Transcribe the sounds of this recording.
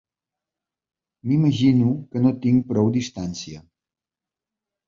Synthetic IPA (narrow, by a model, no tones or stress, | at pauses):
miməʒinukənot̪iŋpɾɔwd̪ist̪ansiə